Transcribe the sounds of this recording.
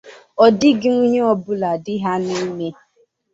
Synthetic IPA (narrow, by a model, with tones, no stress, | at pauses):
ɔ˨dɪ˦ɡɪ˦ŋu˦ɲe˦ɔ˦bʊ˦la˨dɪ˦ɦa˦nɪ˦me˦